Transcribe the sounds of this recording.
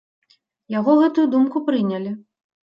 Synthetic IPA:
jaɣɔɣɛt̪ujud̪umkupɾɨnʲɐlʲi

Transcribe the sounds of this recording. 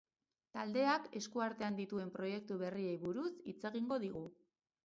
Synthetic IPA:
t̪ald̪e̞ake̞skuaɾt̪e̞and̪it̪ue̞mpɾo̞je̞k̚t̪uβe̞rie̞jβuɾusit͡se̞ɣiŋɡo̞ðiɣ̞u

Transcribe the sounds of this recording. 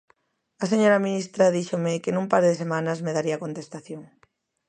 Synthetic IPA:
ɐs̬eɲoɾɐminist̪ɾɐðiʃomɪkɪnũmpaɾðesemãnɐzmeðaɾiɐkont̪est̪aθjoŋ

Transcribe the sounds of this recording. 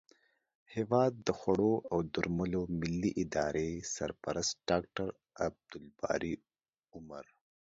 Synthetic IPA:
hewɑːd̪ːəxaɽoawd̪uɾməlomɪlːiʔɪd̪ɑɾʔesa̰ɾpaɾast̪ɖ̥ɑk̚ʈaɾ | ab̚d̪̥ʊlbɑ̰ɾi | ʊma̰ɾ

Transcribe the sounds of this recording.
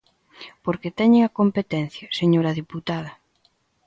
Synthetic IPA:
poɾket̪ɛɲeŋɐkompet̪ɛn̟θjɐseɲoɾɐðiput̪aðɐ

